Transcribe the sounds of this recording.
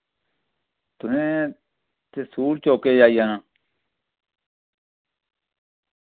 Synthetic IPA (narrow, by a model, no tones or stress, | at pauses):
t̪ʊnẽː | t̪eːsuːlt͡ʃoːkeːd͡ʒaːijaːnaː